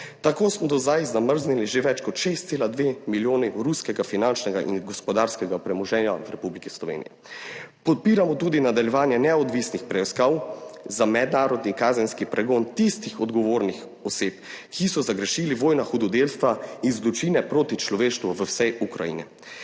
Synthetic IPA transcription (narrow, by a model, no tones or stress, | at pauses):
t̪akoːsmɔd̪ɔzd̪ajzaməɾzniliʒeʋɛt͡ʃkɔt̪ʃest̪seːlad̪ʋemiljoːniɾuskɛɡafinant͡ʃnɛɡa̰ʔḭnɡɔspɔd̪aːɾskɛɡapɾɛmɔʒɛːnjawɾɛpublikislɔʋḛːnḭjɛ̰ | pɔt̪̚piːɾamɔt̪ud̪inad̪aljɛʋaːnjɛnɛɔd̪ʋisnixpɾɛiskawzamɛd̪naːɾɔd̪nikaːzɛnskipɾɛɡoːnt̪ist̪ixɔd̪ɡɔʋoːɾnix | ɔseːpkʰisɔzaɡɾɛʃiliʋoːjnaxud̪ɔd̪elst̪ʋainzlut͡ʃiːnɛpɾoːt̪it͡ʃlɔʋeːʃt̪ʋuʋəwsɛjʔukɾa̰jḭnɛ